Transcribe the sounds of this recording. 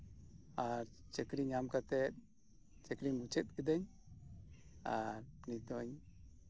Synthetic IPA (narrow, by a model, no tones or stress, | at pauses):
aɾt͡ʃɛkɾiɲamkat̪ɛt̪̚ | t͡ʃɛkɾiɲmut͡ʃʰɛt̪̚ˀkid̪ɛɲ | aɾnid̪ɔɲ